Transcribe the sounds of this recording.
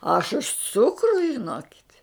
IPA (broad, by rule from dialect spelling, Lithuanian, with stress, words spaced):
ɐʃ ʊʃ ˈt͡sʊkrʊ ʒʲɪˈnoːkʲɪtʲ